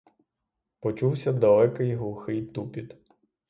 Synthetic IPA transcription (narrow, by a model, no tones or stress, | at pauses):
pɔt͡ʃuwsʲɐd̪ɐlˠɛkɪjɦlˠʊxɪjt̪upʲit̪